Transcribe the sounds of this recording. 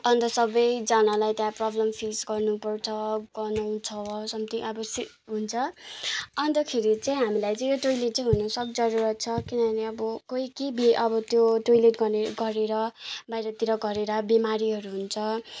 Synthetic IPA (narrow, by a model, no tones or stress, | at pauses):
ʌnt̪ʌsʌbʌjd͡zʌnalajt̪jãprʌblʌmpʰisɡʌrnupʌrt͡sʰʌɡʌnaw̃t͡sʰʌsʌmt̪iʔʌbʌsi | ɦunt͡sʰʌ | ʌnd̪ʌkʰeɾit͡sãĩɦamilajt͡sʌj̃joʈojleʈ̚t͡sʌĩɦunʌsʌk̚d͡zʌɾuɾʌt̪̚t͡sʰʌkinʌbʌneʌbʌkoikebiʔʌbʌt̪joʈojleʈɡʌneɡʌɾeɾʌbajɾʌt̪iɾʌɡʌɾeɾʌbimaɾiɦʌɾuɦunt͡sʰʌ